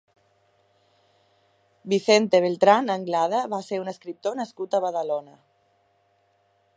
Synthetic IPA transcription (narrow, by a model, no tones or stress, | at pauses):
biθent̪eβ̞elt̪ɾanəŋɡlað̞əβaseɾunəskɾip̚t̪onəskut̪əβaðalonə